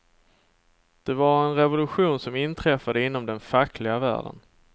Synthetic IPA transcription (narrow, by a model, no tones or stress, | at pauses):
d̪̥ɛvaɾɛnɾɛvʊlɵɧuːnsɔmɪnt̪ʰɾɛfːad̪əɪnːɔmd̪ɛnfakːlɪɡavæ̰ːɖə̰n